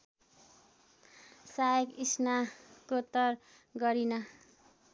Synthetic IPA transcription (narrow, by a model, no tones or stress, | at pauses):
sajʌkisnakot̪ʌr | ɡʌɾinʌ